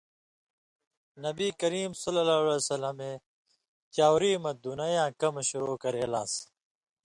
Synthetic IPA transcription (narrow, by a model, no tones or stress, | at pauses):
nɐbiːkɐɾiːmsɐlɐlaːlesɐlɐmẽː | t͡ɕaːwɾiːmɐd̪unɐjãːkɐmɕuɾoːkɐɾeːla̰ːs